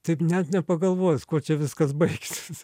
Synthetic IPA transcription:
t̪ɐɪpnʲɛt̪nʲɛpɐɡɐlˠʋoːjskoɔt͡ʃʲɛʋʲɪskɐsbɐɪkʲsʲɪs

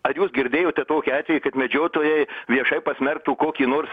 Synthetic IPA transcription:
ɐjuːsɡʲɪɾʲd̪ʲeːjoːt̪ʲɛt̪oːkʲiɑːt̪ʲʋʲɛjiːkɐt̪mʲɛd͡ʒʲoːt̪oːjɛɪʋʲiɛʃɐɪpɐsʲmʲɛrk̚t̪uːkoːkʲiːnoːrs

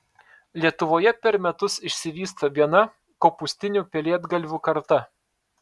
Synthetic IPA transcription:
lʲiɛt̪ʊʋoːjɛpʲɛɾmʲɛt̪ʊsɪʃʲsʲɪʋʲiːst̪ɐbʲiɛnɐ | koːpʊsʲt̪ʲɪnʲuˑpʲɛlʲeɛd̪ɡɐlʲʋʲuːkɐɾt̪ɐ

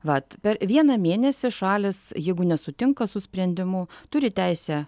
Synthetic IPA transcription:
ʋɐt̪pʲɛɾʋʲiɛnɐmʲeːnʲɛsʲɪʃɑːlʲɪsjɛɪɡʊnʲɛsʊt̪ʲɪŋkɐsʊsʲpʲɾʲɛnʲd̪ʲɪmʊt̪ʊɾʲɪt̪ʲæɪsʲɛ

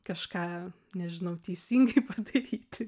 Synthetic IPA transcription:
kɐʃkɑː | nʲɛʒʲɪnɐʊt̪ʲɛɪsʲiŋɡɐɪpɐd̪ɐɾʲiːt̪ʲɪ

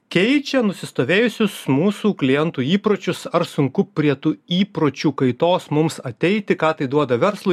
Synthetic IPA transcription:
kʲɛɪt͡ʃʲɛnʊsʲɪst̪oːʋʲeːjʊsʲʊsmuːsuːklʲɪjɛnt̪uːiːpɾoːt͡ʃʲʊsɐɾsʊŋkʊpʲɾʲiɛt̪uːiːpɾoːt͡ʃʲuːkɐɪt̪oːsmʊmsɐt̪ʲɛɪt̪ʲɪkɑːt̪ɐɪd̪uɔd̪ɐʋʲɛɾslˠo

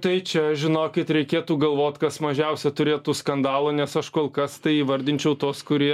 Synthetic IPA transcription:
t̪ɐɪt͡ʃʲɛʒʲɪnoːkʲɪt̪ɾʲɛɪkʲeːt̪uːɡɐlˠʋoːt̪kɐsmɐʒʲɛʊsʲɛt̪ʊɾʲeːt̪uːskɐnd̪ɑːlˠɐnʲɛsɐʃkoːlˠkɐst̪ɐɪiːʋɐɾʲd̪ʲɪnʲt͡ʃʲɛʊt̪oːskʊɾʲiɛ

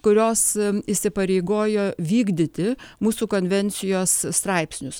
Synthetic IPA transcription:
kʊɾʲoːsɪsʲɪpɐɾʲeɪɡoːjoːʋʲiːɡd̪ʲɪt̪ʲɪmuːsuːkoːnʲʋʲɛnʲt̪sʲɪjoːsst̪ɾɐɪpʲsʲnʲʊs

